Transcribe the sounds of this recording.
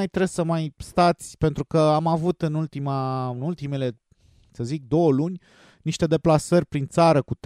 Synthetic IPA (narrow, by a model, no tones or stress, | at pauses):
jt̪ɾe̞ssəmajst̪at̪sʲpe̞nt̪ɾukəamavut̪ɨnult̪imaɨnult̪ime̞le̞ | səzik̚d̪o̞wəlunʲ | niʃt̪e̞d̪e̞plasərʲpɾint̪saɾəkut̪